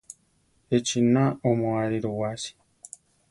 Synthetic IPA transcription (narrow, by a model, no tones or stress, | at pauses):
et͡ʃinaomõaɾiɾowasi̥